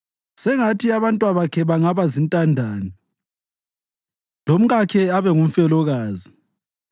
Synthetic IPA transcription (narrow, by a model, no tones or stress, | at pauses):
sɛŋatʰiaβantʼwaβakʰɛβaŋaβazintʼandʱaːni | lom̩ɣakʰɛaβɛŋum̩fɛlɔɣaːzi